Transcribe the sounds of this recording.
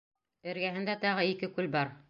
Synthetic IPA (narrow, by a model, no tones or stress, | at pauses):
ɘ̆ɾɡæɦɘ̆nd̪æt̪ɑʁɤikɘkʉlbɑɾ